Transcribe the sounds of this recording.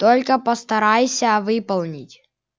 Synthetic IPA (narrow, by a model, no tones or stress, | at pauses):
t̪olʲkəpəst̪ɐɾajsʲɐvɨpɐlˠnʲɪtʲ